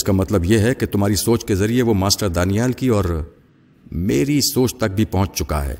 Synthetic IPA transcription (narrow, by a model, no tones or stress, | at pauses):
skamɐt̪ləbjeɦɛket̪ʊmɦaːɾisoːt͡ʃkezɐɾieʋomaːsʈəɾd̪aːnijaːlkiɔːɾ | meːɾisoːt͡ʃt̪ɐk̚bʱipɐɦʊ̃t͡ʃt͡ʃʊka̰ɦɛ̰ː